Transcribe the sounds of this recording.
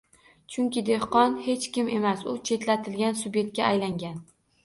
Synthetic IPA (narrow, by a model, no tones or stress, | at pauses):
t͡ʃʰʊŋkʲɪd̪e̞hqɒnhe̞t͡ʃkʲɪme̞masʊt͡ʃʰe̞t̪lat̪ʰɪlɡʲansʊbe̞t̪̚kʲaːjlaŋɡʲan